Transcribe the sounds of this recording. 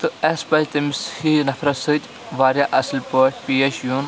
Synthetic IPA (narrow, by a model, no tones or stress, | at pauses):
t̪ɨɐspɐlʲt̪ɐmishinɐfɾɐsɨd͡ʒʲ | ʋaːɾjaʔɐslpoːʈʰʲpiːeʃjun